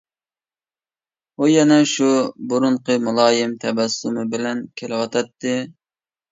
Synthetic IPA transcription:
ujɛnɛʃubuɾʊɴqɨmulˠɑːjɪmt̪ʰɛbɛsːumɨbɪlɛnkʲʰelɪwɑt̪ʰɑt̪ːɨ

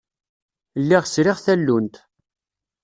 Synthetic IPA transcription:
lːiʁsɾɪʁθælːunt̪

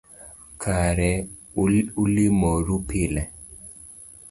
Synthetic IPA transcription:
kʰaɾɛ | ulimoɾupilɛ

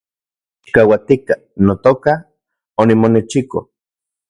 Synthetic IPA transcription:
t͡ʃi̥kawat̪ika | not̪oka | onimonet͡ʃiko̰

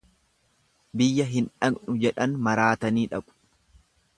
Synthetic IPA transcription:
bɪjːɐɦɪnᶑɐɡnʊd͡ʒɛᶑɐnmɐɾaːt̪ɐniːᶑɐɓʊ̥

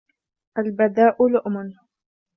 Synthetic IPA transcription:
ʔalbad̪aːʔʊlʊʔmʊn

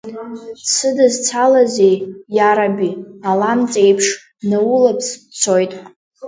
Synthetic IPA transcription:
sʰɨdɨzt͡sʰalazejjaɾabialamt͡sʼejpʰʂ | nawʊlapʰst͡sʰo̞jtʼ

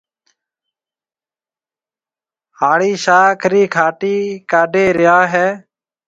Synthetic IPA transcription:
haːɭiːʃaːkʰɾiːkʰaːʈiːkaːɖeːɾɪjaːɦɛː

